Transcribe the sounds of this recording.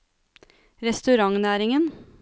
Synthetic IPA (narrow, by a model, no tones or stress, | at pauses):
ɾɛst̪ʉɾɑŋnæːɾɪŋən